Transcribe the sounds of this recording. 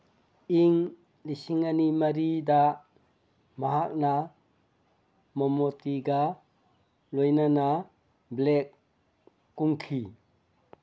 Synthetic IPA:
iŋ | lisiŋanimaɾida | maɦak̚na | mɔmotiɡa | lojnana | blek̚ː | uŋkʰi

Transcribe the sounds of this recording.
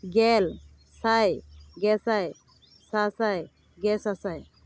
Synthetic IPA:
ɡɛl | sajɡɛsaj | sasaj | ɡɛsasaj

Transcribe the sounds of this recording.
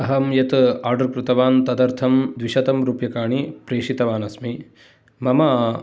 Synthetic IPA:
ɐɦɐmjɐt̪aːɾɖɐɾkɾut̪ɐʋaːnt̪ɐd̪ɐɾt̪ʰɐmd̪ʋiʃɐt̪ɐmɾuːpjɐkaːɳipɾeːʂit̪ɐʋaːnɐsmi | mɐmaː

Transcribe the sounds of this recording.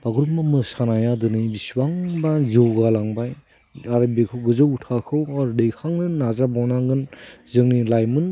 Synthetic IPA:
baɡɾup̚mɯmɯsanajadɯnɯbiswaŋbazɯwɡalaŋbaj | aɾabekʰɯwɡɯzɯwutʰakʰɯwaɾdejkʰaŋnɯnazabawnaɡɯnzɯŋnilajmɯn

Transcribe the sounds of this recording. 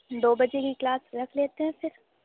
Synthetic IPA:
d̪oːbɐd͡ʒekiklaːsɾɐkʰleːt̪eɦɛ̃fɪɾ

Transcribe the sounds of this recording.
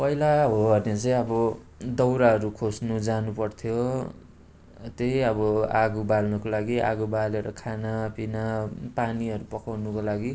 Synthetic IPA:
pʌɦilaɦʌbʌnet͡sʌj̃ʌbʌ | d̪ʌwɾaɦʌɾukʰosnud͡zanupʌrt̪ʰjo | t̪ejʌbʌaɡubalnʌkolaɡia̰ɡubaleɾʌ̰kʰanapinapaniʌɾupʌkawnukolaɡi

